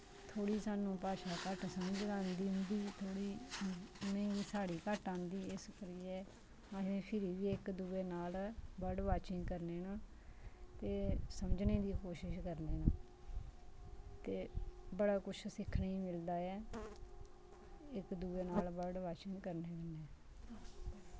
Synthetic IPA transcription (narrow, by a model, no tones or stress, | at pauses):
t̪ʰoːɽiːsaːnũːpaːʃaːkəʈsəməd͡ʒnãːnd̪iːɦʊ̃nd̪iːt̪ʰoːɽiː | mɛ̃ːɡiːsaːɽiːkəʈãːnd̪iːɪskəɾiːɛː | asẽːpʰɪɾiːʋiːɪkd̪uːeːnaːlbəɖʋaːt͡ʃɪ̃ŋɡkəɾneːnaː | t̪eːsəməd͡ʒneːd̪iːkoːʃɪʃkəɾneːnaː | t̪eːbəɽaːkʊt͡ʃʰsɪkʰnaːiːmɪld̪aːɛː | ɪkd̪uːeːnaːlbəɖʋaːt͡ʃɪ̃ŋɡkəɾneːbənɛː